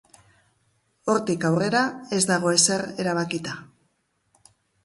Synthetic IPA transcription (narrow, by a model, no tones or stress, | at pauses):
o̞ɾt̪ikawre̞ɾae̞zd̪aɣ̞o̞ese̞re̞ɾaβ̞akit̪a